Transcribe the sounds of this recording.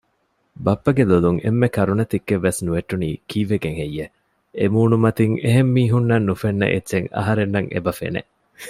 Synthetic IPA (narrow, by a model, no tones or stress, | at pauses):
bɐpːɐɡeluluŋʔḛmːekɐɾunɐt̪ikːeʋːesnuʋeʈːunḭːkiːʋeɡeŋɦejːe | emuːnumɐt̪iŋeɦemːiːɦunːɐnːufenːɐ̰ʔḛːt͡ʃeŋɐ̰ɦɐɾenːɐŋḛbɐfḛnḛ